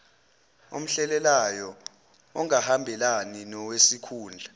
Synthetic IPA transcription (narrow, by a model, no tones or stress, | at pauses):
o̰m̩ɬɛlɛlajɔ | ɔŋahambʱɛlaninɔwesikʰuːnd͡ɮʱa